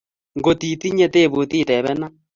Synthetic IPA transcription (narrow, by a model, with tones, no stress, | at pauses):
ŋɡo˨ti˨ti˦ɲɛ˦te˦˨βo˨tiː˦˨tɛ˨βɛ˦na˦